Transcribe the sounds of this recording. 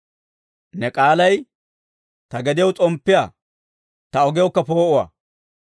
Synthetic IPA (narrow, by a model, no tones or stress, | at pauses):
nɛkʼaːlɐj | t̪ɐɡɛd̪ɪjwt͡sʼɔmpːɪjaː | t̪ɐɔɡɪjɔkːɐpoːʔʊwɐ̰